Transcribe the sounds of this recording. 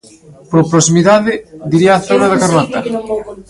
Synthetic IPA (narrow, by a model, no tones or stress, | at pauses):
poɾpɾosimiðaðɪd̪iɾiaːθonaðakaɾlat̪a